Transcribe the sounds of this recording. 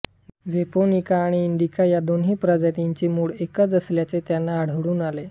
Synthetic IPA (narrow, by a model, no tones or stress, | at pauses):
d͡zeponikaːɽ̃iːɳɖ̪ikajad̪onɦiːpɾəd͡ʑat̪iɲt͡ɕemuːɭekət͡səsljat͡set̪janːaːɽ̤əʋɽuːnale